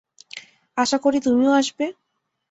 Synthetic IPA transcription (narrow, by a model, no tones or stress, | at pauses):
asakoɾit̪uɲuaʃpe